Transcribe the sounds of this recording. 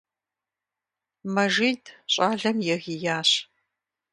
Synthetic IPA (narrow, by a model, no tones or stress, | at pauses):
mɐʒiːdɕʼaːɮɐmjɛɣijaːɕ